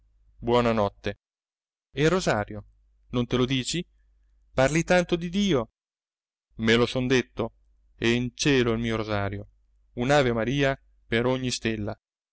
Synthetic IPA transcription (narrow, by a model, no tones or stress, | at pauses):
bwɔːnanɔt̪ːe | erːozaːɾjo | nont̪elod̪iːt͡ʃi | parlit̪ant̪od̪id̪iːo | melosond̪et̪ːo | ɛint͡ʃɛːloilmiːoɾozaːɾjo | unaːveomaɾiːa | peɾoɲːist̪elːa